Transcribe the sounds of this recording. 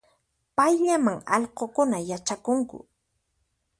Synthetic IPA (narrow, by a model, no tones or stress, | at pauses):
pajʎamaŋɑ̰ʎqokʊnajat͡ʃakʊŋkʊ̰